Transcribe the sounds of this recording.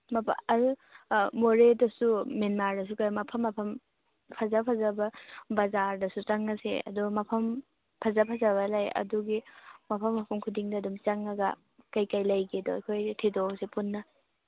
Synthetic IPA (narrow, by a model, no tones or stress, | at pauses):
mɐpʰɐɾumoɾedɐsumenmaɾdɐs̬ukajmɐpʰɐmːɐpʰɐm | pʰɐzapʰɐzɐbɐbɐzaɾdɐsut͡ʃɐŋːɐsḛɐ̰dumɐpʰɐm | pʰɐzɐpʰɐzɐβɐlajɐ̰duɡimɐpʰɐmːɐpʰɐmkʰudiŋdɐːdumt͡ʃɐŋːɐɡɐ̰ | kɐjkajlɐjɡedɔɐ̰jkʰojtʰidosepunːɐ